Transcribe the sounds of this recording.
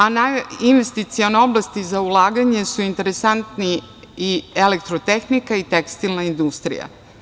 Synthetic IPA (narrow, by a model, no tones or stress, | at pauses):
anainʋest̪it̪sioneo̞blˠast̪izaulaːɡaɲe̞suint̪e̞ɾesant̪ni | ielekt̪ɾot̪exnikait̪ekst̪ilnaind̪ust̪ɾḭja̰